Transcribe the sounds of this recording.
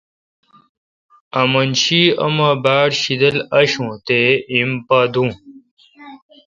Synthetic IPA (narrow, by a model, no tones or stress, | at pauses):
ɐmɐnɕiɐ̰mabaːɽɕid̪ɐlɐɕũːt̪eimpaːd̪ũː